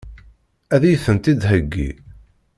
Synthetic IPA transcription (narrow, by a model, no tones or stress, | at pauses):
æðjθənt̪id̪ɦəɡːḭ